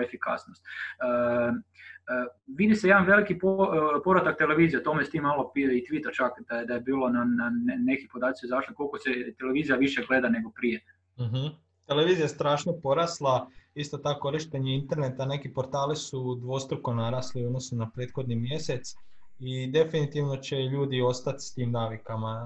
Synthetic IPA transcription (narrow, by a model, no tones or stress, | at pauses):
efika̰snost̪ə | ʋid̪isejed̪anʋe̞likipopo̞ʋɾat̪ak̚t̪ele̞ʋiːzijat̪omest̪iːmːalopiit̪ʋit̪at͡ʃakd̪̥ad̪ajebiːlˠo̞nanannekipo̞d̪aːt̪sizaːʃlikolkoset̪ele̞ʋiːzijaʋiʃeɡle̞d̪ane̞ɡo̞pɾije | m̩ɦ̩ | t̪e̞leʋiːzijast̪ɾaːʃnopo̞ɾaslˠaist̪ot̪akko̞ɾiʃt̪eɲeint̪e̞ɾne̞t̪ane̞kipo̞ɾt̪aːlisud̪ʋo̞st̪ɾuko̞naɾaːsliod̪nosnunapɾeːd̪xo̞d̪nimje̞se̞t̪s | id̪e̞finit̪iʋno̞t͡ɕe̞ʎuːd̪io̞st̪at̪st̪iːmnaːʋikama